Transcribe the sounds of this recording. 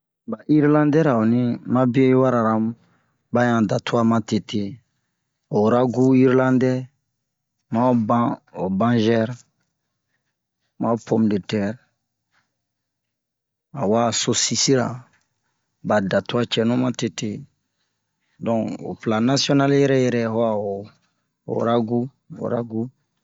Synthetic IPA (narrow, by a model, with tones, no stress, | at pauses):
ba˨ʔi˦ɾlã˦ndɛ˦ɾa˨o˨nĩ˦mã˦bi˦ẽ˦wa˦ɾa˨ɾã˨ | bã˦jã˨da˨tu˦a˦mã˦te˨te˦ | o˨o˨ɾa˦ɡu˦i˦ɾlã˦ndɛ˦ | mã˦o˨bã˦o˨bã˦ʒɛ˦ɾ | mã˦po˨mde˨tɛ˦˨ɾ | a˨wa˦so˦si˦si˦ɾã̰˨ | ba˨da˨tu˦a˦t͡ʃɛ˨no˦mã˦te˨te˦˨ | dɔ̃˨o̰˨plã˨na˦siɔ˦na˦ljɛ˦ɾɛ˦jɛɾɛ˦ɦɔ˦a˨o˨ | o̰˨ɾa˦ɡu˦ | o̰˨ɾa˦ɡu˦